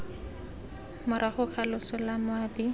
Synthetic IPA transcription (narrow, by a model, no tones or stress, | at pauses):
mʊɾaχʊχʰalʊsʊlamʊabi